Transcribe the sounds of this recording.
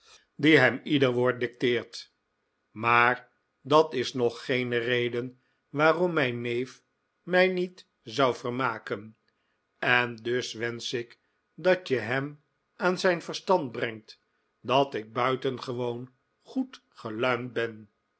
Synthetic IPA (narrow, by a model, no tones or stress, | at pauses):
diɦɛmidəɹʋʊːɹt̚dɪk̚tɪːɹt | maːɹ | dɑtɪsnɔχːejnərejdən | ʋaːrɔmːɛjnːejf | mɛjnit | zʌwvərmaːkən | ɛndɵsʋɛnsɪk | dɑtəɦɛm | ʔaːnzɛjnvəɹstɑnd̚brɛŋt | dɑtɪɡ̚bœɥtənχəʋown | χut | χəlœɥnt̚bɛn